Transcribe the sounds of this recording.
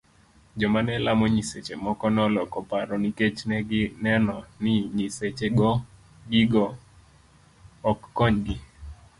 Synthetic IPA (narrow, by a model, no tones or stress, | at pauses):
d͡ʒɔmanɛlamɔɲiset͡ʃemɔkɔnɔlɔkɔpaɾɔniket͡ʃnɛɡɪnɛnɔnɪɲiset͡ʃeɡɔ | ɡiɡɔ | kːɔɲdi